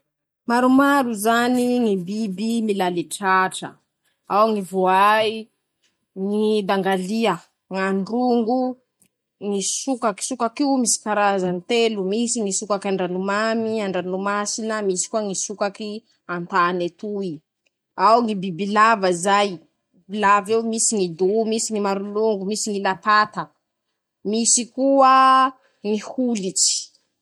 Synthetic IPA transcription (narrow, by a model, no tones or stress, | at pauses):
maɾumaɾuzaniŋibibimilaliʈ͡ʂaʈ͡ʂə̰ | awŋivoaj | ŋid̪aŋɡaliə | ŋaɳɖ͡ʐuŋɡu | ŋisukaki̥sukakiumisi̥kaɾazanit̪elumisiŋisukakaɳɖ͡ʐanumamiaɳɖ͡ʐanumasinəmisi̥kuəŋisukaki | ant̪anet̪ui | awŋibibilavəizaj | bilavewmisiŋid̪umisiŋimaɾuluŋɡumisiŋilat̪at̪ə | misikuə | ŋihulit͡ʃi̥